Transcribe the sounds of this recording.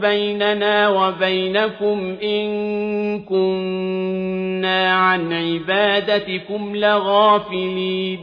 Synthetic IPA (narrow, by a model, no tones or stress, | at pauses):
bajnanaːwabajnakʊmʔɪnkʊn | aːʕanʕɪbaːd̪at̪ɪkʊmlɪɣaːfɪliː